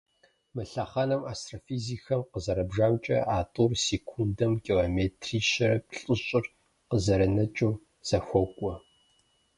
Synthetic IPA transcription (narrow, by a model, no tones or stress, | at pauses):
mɨɬɐχɐnɐmaːstrofiːzixɐmqəzɐɾɐbʒaːmt͡ʃʼɐ̰ʔaːtʼurseːkʷʰundɐmkʲʼiloːmeːtʰriːʃɐɾɐp̚ɬʼɨɕʼɪr | qəzɐɾɐnɐt͡ʃʼuː | z̥ɐxʷɔkʷʼɔ